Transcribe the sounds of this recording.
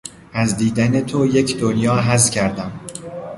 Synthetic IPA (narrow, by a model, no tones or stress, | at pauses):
æzd̪iːd̪æne̞t̪ʰojecʰd̪onjɒːɦæzcʰæɾd̪æm